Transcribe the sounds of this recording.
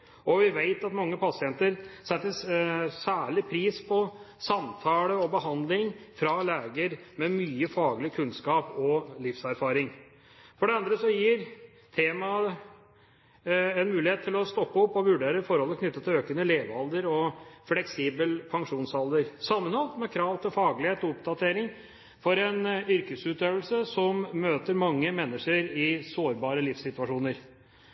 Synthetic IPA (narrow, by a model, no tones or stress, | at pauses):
ɔʋɪʋæɪt̪ɑt̪mɑŋːəpʰɑsɪɛnt̪əɾsɛt̪ːəsæːɭɪpʰɾiːspʰɔsɑmt̪ʰɑːləɔbəɦɑnd̪lɪŋfɾɑleːɡəɾmɛmyːəfɑːɡlɪkʰʉnskɑːpɔlɪfsæɾfɑːɾɪŋ | fɔɖɛɑnd̪ɾəsɔjiːɾ | t̪ʰeːmɑ | ɛnmʉːlɪheːt̪ʰːɪlɔst̪ɔpːəɔpːɔʋʉɖeːɾəfɔɾhɔlt̪ɛkʰnʏt̪ːət̪ʰɪløːkənəleːʋɑld̪əɾɔflɛksiːbəlpʰɑŋʂuːnsɑld̪əɾsɑmːənhɔlt̪mɛkʰɾɑːʋt̪ʰɪlfɑːɡlɪheːt̪ɔɔpd̪ɑt̪ʰeːɾɪŋ | fɔɾɛnʏɾkəsʉːt̪øːʋəlsəsɔmːøːt̪əɾmɑŋːəmɛnːəʂəɾɪsoːɾbɑːɾəlɪfsɪt̪ʉɑʂuːnəɾ